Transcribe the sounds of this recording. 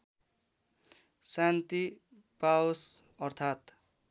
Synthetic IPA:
sant̪i | paos | ʌrt̪ʰat̪

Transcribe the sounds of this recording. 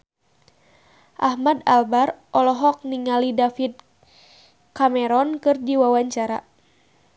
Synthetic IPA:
ʔahmadalbarʔɔlɔɦɔk̚niŋalidafid̪̚ | kamɛɾɔnkɨrdiwawaɲt͡ʃaɾa̰

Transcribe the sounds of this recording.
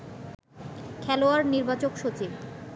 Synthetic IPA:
kʰɛloaɾniɾbat͡ɕokʃot͡ɕib

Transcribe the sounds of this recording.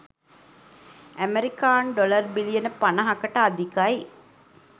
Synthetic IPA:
æmeɾikaːnɖolərbilijənəpanəɦakəʈəad̪ikaj

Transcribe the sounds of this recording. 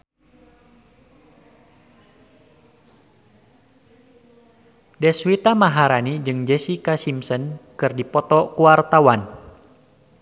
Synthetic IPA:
dɛswit̪amaɦaɾanid͡ʒɨŋd͡ʒɛsikasimsənkɨrdipɔt̪ɔkuart̪awan

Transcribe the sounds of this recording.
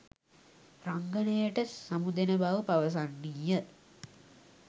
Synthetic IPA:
raŋɡənəjəʈəsɐmud̪enəbaʋəpaʋəs̬anːijə

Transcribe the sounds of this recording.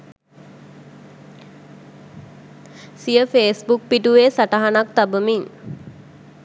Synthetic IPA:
sijəfeːsbuk̚piʈuʋeːsaʈaɦanak̚t̪abəmiŋ

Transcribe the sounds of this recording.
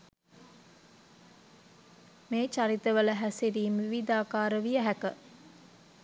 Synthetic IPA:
meːt͡ʃaɾit̪əʋələɦæseɾiːmʋiʋid̪aːkaːɾəʋijəɦækə

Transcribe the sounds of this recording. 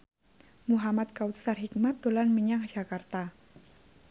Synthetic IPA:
muɦamat̪̚kaut̪sarɦik̚mat̪̚ːulanməɲaŋ̥d͡ʒ̥a̤kart̪a

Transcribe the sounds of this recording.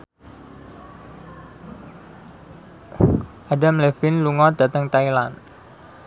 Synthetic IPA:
ʔadamlefɪnluŋɔd̪̥at̪əŋt̪ailan

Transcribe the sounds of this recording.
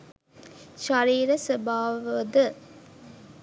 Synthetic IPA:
ʃaɾiːɾəsəbaːʋd̪ə

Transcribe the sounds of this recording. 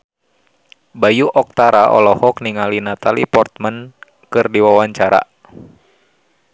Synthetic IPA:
bajuʔɔk̚t̪aɾaʔɔ̰lɔhɔkniŋalinat̪alḭpɔrt̪̚mən | kɨrdiwawaɲt͡ʃaɾa̰

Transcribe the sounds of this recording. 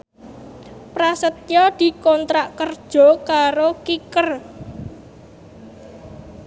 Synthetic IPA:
pɾasət̪̚jɔd̪̥i̤kɔnt̪ɾaʔkərd̥ʒ̥ɔ̤kaɾokikər

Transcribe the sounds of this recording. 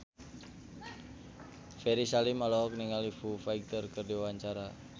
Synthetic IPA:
feɾisalimalɔɦɔk̚niŋalifufaik̚t̪ɔrkərdiwaɲt͡ʃaɾa

